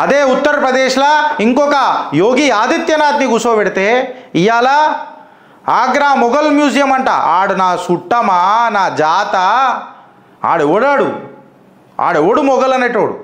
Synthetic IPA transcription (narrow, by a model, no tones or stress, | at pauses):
ɐd̪eːut̪ːɐɾɐpɾɐd̪ɛːʃlɐiŋkɔkɐjoːɡiːaːd̪it̪jɐnaːd̪niɡusoːʋɛɽit̪eːijaːlaː | aːɡɾaːmɔɡɐlmjuːd͡ʒijɐmɐɳʈa̰ːʔaːɽunaːsuʈːɐmanaːd͡ʒaːt̪ɐ | a̰ːɽuoːɽaːɽṵ | a̰ːɽeoːɽumɔɡɐlɐneːʈoːɽṵ